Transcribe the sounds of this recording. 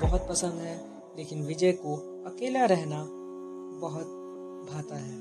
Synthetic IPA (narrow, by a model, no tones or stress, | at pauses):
bɐɦʊt̪̚pɐsə̃nd̪ɦɛː | leːkɪnʋɪd͡ʒɛko | ɐkeːlaɾɛɦna | bɐɦʊt̪̚ | bʱaːt̪aɦɛː